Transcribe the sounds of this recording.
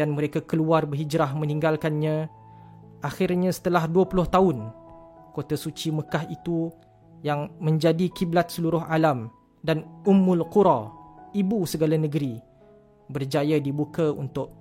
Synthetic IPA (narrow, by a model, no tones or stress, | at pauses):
anməɾekakəluarbəɦid͡ʒɾaɦmə̃nĩŋɡalkanɲã | ʔaxɪrɲãsə̥t̪əlahduəpulʊht̪aʊn | kot̪asut͡ʃiməkaɦit̪u | jaŋmə̃ɲd͡ʒadikiblat̪̚səluɾʊɦalam | danumːʊlquɾaibusəɡalanəɡəɾi | bərd͡ʒajadibukaṵnt̪ʊʔ̚